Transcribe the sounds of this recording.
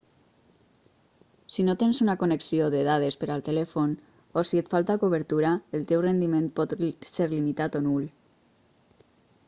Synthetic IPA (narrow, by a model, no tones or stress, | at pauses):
sinot̪ensunakoneksioðeðað̞espəɾalˠt̪elɛfon | osiet̪falˠt̪akuβəɾt̪uɾaelˠt̪ewrend̪imenpɔt̪seɾlimit̪at̪onul